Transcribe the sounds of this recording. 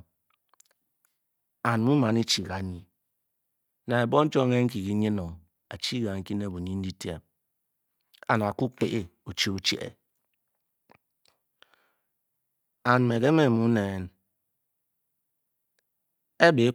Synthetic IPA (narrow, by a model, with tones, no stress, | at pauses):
a˨n˨mu˦ma˨ni˦t͡ʃi˨ɣa˨˦ɲi˨ | na˨e˨bo˦n̩˦t͡ʃo˦e˦ŋ̩˦k̬i˨ki˦ɲi˦no˨ | a̰˨t͡ʃi˦ɣa˨ŋ̩˦ki˦n˦e˦˨bu˨ɲi˦n̩˦di˦tje˦p̚ | a̰˨na˨ku˦k͡pe˦ʔe˨ | u˨t͡ʃi˦u˨t͡ʃḛ˦ʔḛ˨ | a˨n˨me˨ke˦me˨mu˦ne˨n | e˦be˨˦